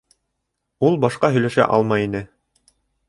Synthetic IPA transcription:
ulˠbɑʃqɑɦɵ̆jlæʃæ̰ʔɑ̰lˠmɑjinɘ

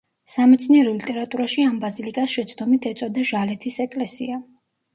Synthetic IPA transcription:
samɛt̪sʰniɛɾɔlit̪ʼɛɾat̪ʼuɾaʃiambazilikʼasʃɛt̪sʰd̪ɔmit̪ʰɛt̪sʼɔd̪aʒalɛt̪ʰisɛkʼlɛsia

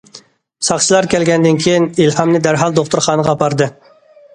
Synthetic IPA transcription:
sɑχʃilˠɑɾkʲʰɛlɡʲɛnd̪ɪnkʲʰijinilhɑmnɨd̪æɾɦɑlˠd̪oχt̪uɾχɑːnəʁɑːpʰɑɾd̪ɨ

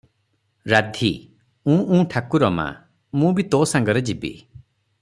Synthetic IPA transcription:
ɾad̪ʱi | ũʔũːʈʰakuɾɔma̰ | mũbit̪osaŋɡɔɾed͡ʒibḭ

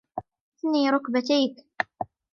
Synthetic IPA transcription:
ɪθniːɾˤʊkbat̪ajk

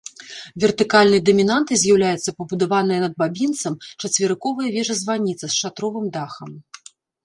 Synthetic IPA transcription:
vʲɛrt̪ɨkalʲnɨjɐd̪ɐmʲinant̪ɨzʲjawlʲajɛt̪sːɐpɐbud̪avanɨjɐnɐd̪̚babʲint̪sɐmt͡ʂɐt͡sʲvʲɪɾɨkɔvɐjɐvʲɛʐɐzvanʲit̪sɐsʂat̪ɾɔvɨmd̪axɐm

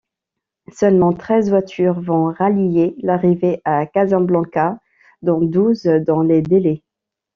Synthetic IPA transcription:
sœlmɑ̃t̪χɛzvwat̪ʰyʁvɔ̃ʁalijelaʁiveʔakazɛ̃blɑ̃ka | d̪ɔ̃d̪uzd̪ɑ̃led̪ele

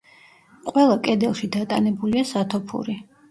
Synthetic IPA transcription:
qʼwɛlˠakʼɛd̪ɛlˠʃid̪at̪ʼanɛbuliasat̪ʰɔpʰṵɾi

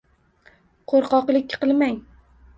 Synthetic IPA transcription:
qʰoɾqɒqlˠɪkʲːqɨlˠmaŋ

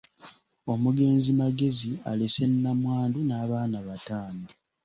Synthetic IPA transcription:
o̞muɡe̞ːnzimaɡe̞zia̰lese̞nːamwaːndunaːβaːnaβataːndi

